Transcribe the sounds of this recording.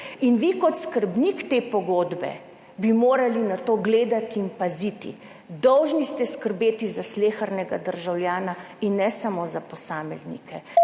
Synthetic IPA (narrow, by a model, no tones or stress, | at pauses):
inʋikɔt̪skəɾbnikt̪eːpɔɡoːd̪bɛ̰ | bimoːɾalinat̪oːɡleːd̪at̪iːnpazit̪ḭ | d̪ɔwʒnist̪ɛskəɾbeːt̪izasleːxaɾnɛɡad̪əɾʒawljaːna | inːɛsamozapɔsaːmɛznḭkʰɛ